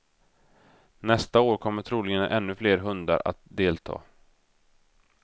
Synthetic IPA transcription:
nɛst̪aoːɾkʰɔmːəʈʰɾuːlɪɡənʔɛnːɵfleːɾɦɵnd̪a̰ɾa̰t̪̚d̪eːlt̪ʰɑ̰ː

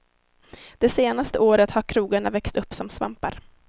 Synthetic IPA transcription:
d̪̥ɛseːnast̪əoːɾət̪haɾkʰɾuːɡaɳavɛkst̪ɵpːsɔmsva̰mpa̰ɾ

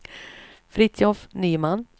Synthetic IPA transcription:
fɾɪt̪ɔfnyːmanː

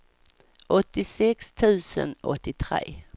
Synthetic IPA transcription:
ʔɔt̪ɪsɛkst̪ʰʉ̟ːsə̰nɔt̪ːɪt̪ʰɾḛː

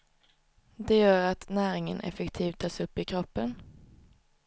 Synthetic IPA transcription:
d̪ɛjœːɾat̪næːɾɪŋə̰nʔɛ̰fɛkt̪ʰiːvt̪ʰːɑːsɵpːɪkʰɾɔpːən

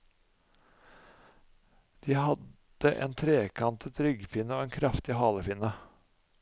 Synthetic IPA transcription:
d̪̥iːhɑd̪ | əʔḛːnt̪ʰɾeːkʰɑnt̪ət̪ɾʏɡfɪnəoːeːnkʰɾɑft̪ɪhɑːləfɪnə

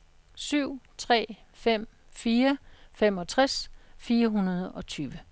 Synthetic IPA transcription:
syʊ̰t͡sʰʁɛ̰ːfem̰ | fiːɐfem̰ɒ̽t͡sʰʁasfiːɐɦunɐð̞ˠɒ̽t͡sʰyːʋə

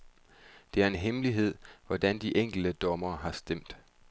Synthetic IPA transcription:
d̥e̝æɐe̝nɦemliɦe̝ð̞̰ˠʋɒd̥ænd̥iʔeŋ̰ɡ̥l̩d̥əd̥ɒ̽mɐːɦɑ̈sd̥em̰d̥

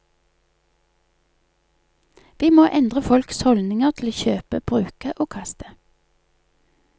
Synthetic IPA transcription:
ʋiːmoːʔɛnd̪ʁəfɔlkshɔlnɪŋəʁt̪ʰl̩oːçøːpə̰b̥ʁʉːkəʔoːkʰɑst̪ə̥

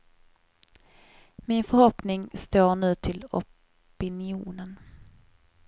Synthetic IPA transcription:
mɪnfœɾhɔpnɪŋst̪oːɳʉ̟ːt̪ʰɪlɔ̰ | pɪnɪuːnən

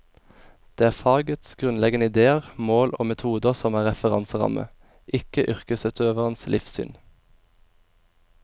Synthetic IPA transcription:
d̪̥eːæːʁfɑːɡət̪sɡ̥ʁʉnlɛɡənəɪd̪eːəʁmoːloːmɛt̪ʰuːd̪əʁsɔmæːʁɛfəʁɑ̰nsəʁɑ̰mə̰ | ʔɪkəʔʏʁkəsʉt̪ʰøːʋəʁənslʔɪfsy̰ːn

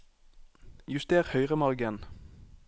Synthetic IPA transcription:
jʉst̪eːʁhœʏʁəmɑʁɡən

